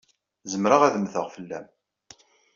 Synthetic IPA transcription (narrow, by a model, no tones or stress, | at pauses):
zəmɾaʁæðəmθəʁfəlːæm